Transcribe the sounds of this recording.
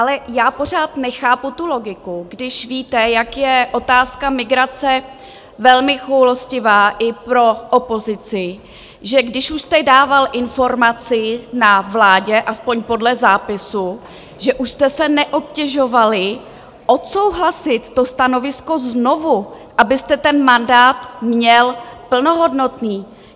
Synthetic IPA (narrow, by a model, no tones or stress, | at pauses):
ʔalɛjaːpo̞r̝aːt̪nɛxaːput̪ulo̞ɡɪkuɡdɪʃviːt̪ɛjakjɛʔo̞t̪aːskamɪɡɾat͡sɛ | vɛlmɪxowloscɪvaːʔɪpɾo̞ʔopo̞zɪt͡sɪ | ʒɛɡdɪʃuʃst̪ɛdaːvalʔɪnfo̞ɾmat͡sɪnavlaːɟɛʔaspo̞ɲpo̞dlɛzaːpɪsu | ʒɛʔuʃst̪ɛsɛnɛʔo̞p̚cɛʒo̞valɪ | ʔo̞t̪so̞wɦlasɪt̪ːo̞st̪ano̞vɪsko̞zno̞vu | ʔabɪst̪ɛt̪ɛnmandaːt̪mɲɛlpl̩noɦo̞dno̞t̪niː